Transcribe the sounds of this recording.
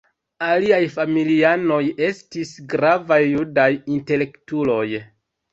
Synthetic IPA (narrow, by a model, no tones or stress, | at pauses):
aliajfamiliano̞je̞stisɡɾavajːudajinte̞le̞ktulo̞j